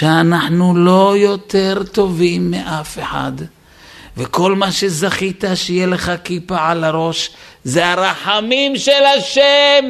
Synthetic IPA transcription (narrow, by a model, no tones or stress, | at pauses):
ʃeanaħnulo̞jo̞t̪e̞ʁt̪o̞vimːeʔafeħa̰d̪ | veko̞lmaʃe̞zaχit̪aʃejeleχakipaʕalaɾo̞ʃ | zeaɾaħamimʃelaʃem